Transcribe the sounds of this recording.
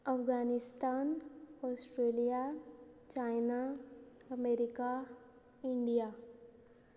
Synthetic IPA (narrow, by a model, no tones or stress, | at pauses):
ɐfɡaːnɪst̪aːnɔːsʈɾeːlijat͡ʃaːɪnaɐmeːɾɪka | ɪɳɖija